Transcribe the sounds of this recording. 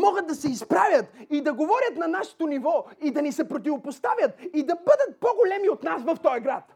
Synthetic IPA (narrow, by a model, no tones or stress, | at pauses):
mɔɡət̪̚d̪ɐsɛispɾavʲjɐt̪id̪ɐɡovɔɾʲɐt̪nɐnaʃɛ̥t̪onivɔid̪ɐnisɛpɾot̪̬ʲivopost̪avʲɐt̪̚id̪ɐbɤd̪ɐt̪̚pɔɡolɛmiot̪nasvɐft̪ɔjɡɾat̪